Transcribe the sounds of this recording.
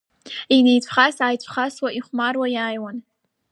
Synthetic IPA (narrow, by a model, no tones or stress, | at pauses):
ine̞jt͡ɕʷʰʼχasaːjt͡ɕʷʰχaswaʔiχʷmarwajaːjwan